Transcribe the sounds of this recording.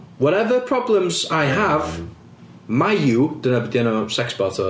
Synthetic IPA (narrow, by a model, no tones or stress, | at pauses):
wɔɾɛvəpʰɹ̥ɔblə̃mzajɦəv | majjud̥ənəbdjɛnosɛksb̥ɔtʰɔ